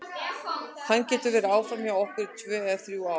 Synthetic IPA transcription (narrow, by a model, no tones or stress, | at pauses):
θanːcɛːt̪ʏɾvɛɾaːwfɾamjawɔhkʏɾt̪ʰvɛːðaθɾjua